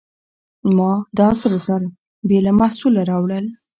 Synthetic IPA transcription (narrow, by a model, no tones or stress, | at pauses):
mɑd̪ɑsəɾasaɾ | belamahsulaɾɑwɽəl